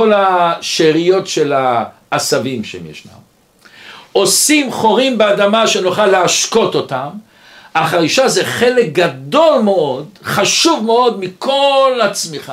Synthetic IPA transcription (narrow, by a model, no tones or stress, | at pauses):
olaʃeʁijo̞tʃelaː | savimʃeemjḛʃna̰m | o̞simχo̞ʁimbead̪amaʃenuχalːeaʃko̞to̞t̪am | aχaʁiʃazeχe̞lek̚ɡad̪o̞lmeo̞d̪χaʃuvmeo̞d̪mikʰo̞lat͡smiχa